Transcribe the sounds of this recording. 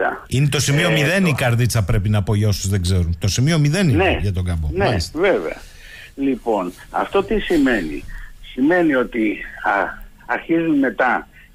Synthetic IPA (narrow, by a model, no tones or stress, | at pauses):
ɐ̰inet̪o̞simio̞miðe̞nikɐɾðit͡sɐpɾe̞pinɐpo̞ʝosuzðeɡzeɾunt̪o̞simio̞miðe̞nineʝɐt̪o̞ɡɐmboneɐisst̪vevḛɐ̰ | lipo̞n | ɐ̰ft̪o̞t̪isime̞nḭsime̞nio̞t̪i | ɐɾçizunme̞t̪ɐ